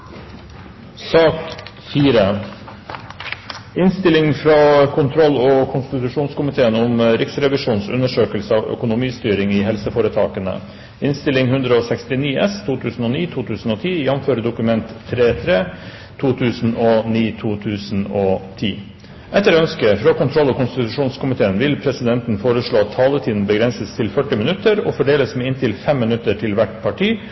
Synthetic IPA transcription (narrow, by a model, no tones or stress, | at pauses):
sɑːk | fiːɾə | ɪnst̪ɪlɪŋfɾɑːkʰʊnt̪ʰɾɔlːɔkʰʊnst̪ɪt̪ʉʂuːnskʊmɪt̪ʰeːənɔmɾɪksɾɛʋɪʂuːnsʉ̰nːəʂøːkəlsəɑːʋœ̰kʊnʊmiːst̪yːɾɪŋɪɦɛlsəfoːɾət̪ʰɑːkənə̰ | ɪnst̪ɪlɪŋhʉnd̪ɾəɔsɛkst̪ɪniːɛst̪ʰuːt̪ʰʉːsn̩ɔːniːt̪ʰuːt̪ʰʉːsn̩oːt̪ʰiːjɑnmføːɾəɖ̪ʊkʉmɛnt̪ʰːɾeːt̪ʰɾeː | t̪ʰuːt̪ʰʉːsn̩ɔniːt̪ʰuːt̪ʰʉːsn̩ɔt̪ʰiː | ʔɛt̪ːəɾœnskəfɾɑkʊnt̪ʰɾɔlːɔkʊnst̪ɪt̪ʉʂuːnskʊmɪt̪ʰeːənʋɪlpʰɾɛsɪd̪ɛnt̪n̩foːɾəʂɭoːɑt̪ʰːɑːlət̪ʰiːd̪n̩bəɡɾɛnsəst̪ʰɪlfœʈːɪmɪnʉt̪ːəɾɔ̰fɔɖeːləsmeɪnt̪ʰɪlfɛmːɪnʉt̪ːəʈʰɪlʋæʈpʰɑʈʰiː